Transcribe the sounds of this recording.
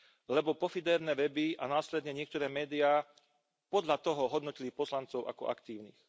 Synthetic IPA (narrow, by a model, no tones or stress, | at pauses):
lɛbɔpɔfid̪ɛːɾnɛʋɛbiʔa̰naːslɛd̪ɲɛɲɪɛkt̪ɔɾɛːmɛːd̪ijaː | pɔd̪ʎat̪ɔɦɔɦɔd̪nɔcilipɔslant͡sɔʊʔa̰kɔ̰ʔa̰kt̪iːʊnḭːx